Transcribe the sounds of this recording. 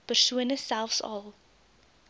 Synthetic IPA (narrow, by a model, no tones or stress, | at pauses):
pərsuənəsælˠfsɐ̰lˠ